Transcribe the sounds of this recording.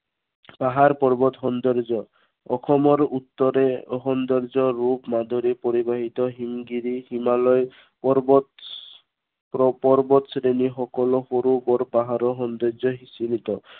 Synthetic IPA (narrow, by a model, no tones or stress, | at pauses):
paɦaɾpɔɾbɔt̪ɦɔnd̪ɔɾd͡ʒɔ | ɔ̰kʰɔmɔɾut̪ːɔɾeɔɦɔnd̪ɔɾd͡ʒɔɾupmad̪ʱɔɾepoɾibaɦit̪ɔɦimɡiɾihimalɔj | ɔɾbɔ | ɔpɔɾbɔt̪sɾeniɦɔkɔlɔhoɾubɔɾpaɦaɾɔɦɔnd̪ɔɾd͡ʒɔɦisilit̪ɔ